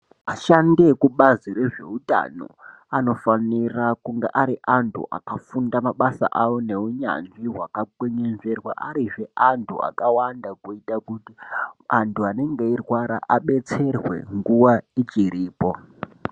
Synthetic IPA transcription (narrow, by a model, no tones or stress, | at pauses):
aʃande̞kuɓaziɾe̞ʐe̞̰uta̰no̰ | ano̞fanirakuŋɡeʔaɾiʔantʰṵʔa̰kafundamaɓasa̰ʔawo̞ne̞uɲa̰nʐiɦwakaɡweɲenve̞rwa̰ʔa̰ɾiʐe̞ʔantʰua̰kawandakuitakutiantʰuane̞ŋɡe̞irwaɾa̰ʔaɓe̞t͡se̞rwe̞̰ŋɡuwait͡ʃiɾiːpo̞